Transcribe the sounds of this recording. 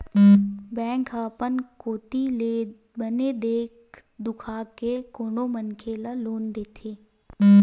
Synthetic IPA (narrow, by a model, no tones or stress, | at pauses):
bɛ̃ːŋkaːpənkoːt̪i | bəned̪eːk | d̪ʊkʰaːkekoːɳomənkʰeːlaloːnd̪eːt̪ʰeː